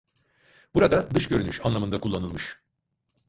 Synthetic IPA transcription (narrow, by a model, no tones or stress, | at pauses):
b̥uɾad̪ad̪ɯʃɟø̞ɾyny̰ʃanlˠamɯnd̪akʰulˠːanɯlˠmɯʃ